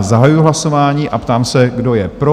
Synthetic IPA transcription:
zaɦajujʊɦlasovaːɲiːʔapt̪aːmsɛɡdo̞jɛpɾo

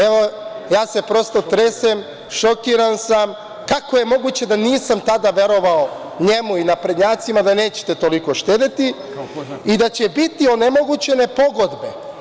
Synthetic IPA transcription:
eʋo | jaːse̞pɾost̪ot̪ɾesem | ʃokiɾansam | kakoje̞mo̞ɡut͡ɕe̞d̪aniːsamt̪ad̪aʋe̞ɾo̞ʋao | ɲemuinapɾed̪ɲaːt̪simad̪ane̞ːt͡ɕe̥t̪e̞t̪o̞liko̞ʃt̪eːd̪et̪i | id̪at͡ɕe̞bit̪io̞nemo̞ɡut͡ɕe̞ne̞po̞ɡo̞d̪be

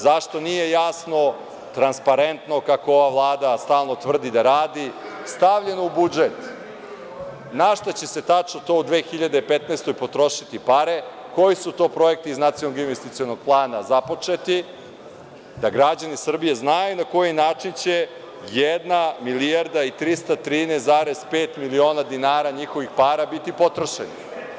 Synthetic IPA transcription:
zaʃt̪onije̞jasno̞ | t̪ɾanspaɾe̞nt̪no̞kakooʋaʋlˠaːd̪ast̪aːlˠno̞t̪vr̩d̪id̪aɾaːd̪i | st̪aʋʎe̞noubud͡ʒet̪ | naʃt̪ot͡ɕe̞set̪at͡ʂnot̪o̞ːud̪ʋeːxiʎad̪eipet̪neːst̪ojpot̪ɾo̞ʃit̪ipaɾe̞ | ko̞jisut̪o̞ːpɾo̞e̞k̚t̪iznat̪sijonoɡinʋest̪it̪io̞noɡ̥̚plˠaːnazapo̞t͡ʂe̞t̪i | d̪aɡɾad͡ʑanisr̩bije̞znajunako̞jinaːt͡ʂint͡ɕe̞ | jed̪namiliaɾd̪ait̪ɾist̪at̪ɾiːneszaːɾe̞z̥peːt̪milio̞ːnad̪inaːɾaɲixo̞ʋixpaːɾabit̪ipo̞t̪ɾoʃḛnḭ

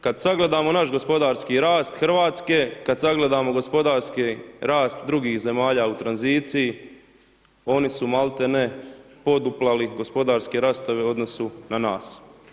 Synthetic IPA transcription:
kad̪saɡle̞d̪aːmo̞naʃɡo̞spo̞d̪aːɾskiɾaːst̪xr̩ʋaːt̪ske̞kad̪saɡle̞d̪aːmo̞ɡo̞spo̞d̪aːɾskiɾaːst̪d̪ɾuɡiːxze̞maːʎaːut̪ɾanziːt̪siji | o̞nisumalˠt̪ene | po̞d̪uplˠaliɡo̞spo̞d̪aːɾskeɾast̪o̞ʋe̞o̞d̪no̞sunanaːs

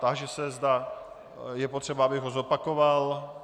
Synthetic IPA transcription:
t̪aʒɛsɛzda | jɛpot̪r̝̥ɛbaabɪɣɦozopakoval

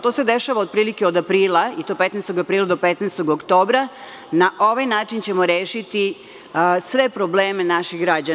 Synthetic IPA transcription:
t̪o̞ːsed̪eʃaʋaod̪̚pɾiːlikeod̪apɾiːlˠait̪opet̪neːst̪oɡapɾiːlˠad̪opet̪nest̪o̞ɡokt̪o̞ːbɾa | naʔo̞ʋajnaːt͡ʃint͡ɕe̞mo̞ɾeːʃit̪i | sʋe̞pɾobleːmenaʃixɡɾad͡ʑa

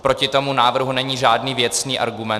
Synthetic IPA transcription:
pɾo̞cɪt̪o̞munaːvr̩ɦunɛɲiːʒaːdniːvjɛt͡sniːʔa̰ɾɡumɛ

